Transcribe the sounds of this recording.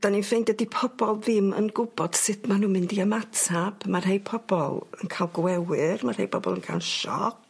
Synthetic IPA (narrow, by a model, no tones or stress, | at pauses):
d̥aninfejndɛdipʰɔbɔlˠðɪmə̰nɡʊbɔd̥sɪtmanuːmɪndiəmatʰab̥marɦejpʰɔb̥ɔ̰lˠə̰nkʰalˠɡwɛwɨrmarhḛjpʰɔbɔ̰lˠənkʰa̰lˠʃɔ̰k̚